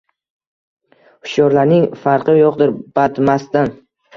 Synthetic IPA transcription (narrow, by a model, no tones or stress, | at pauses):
ʊʃjɒɾlaɾnɪŋfaɾqʰɨjoqd̪ɪɾb̥at̪mast̪an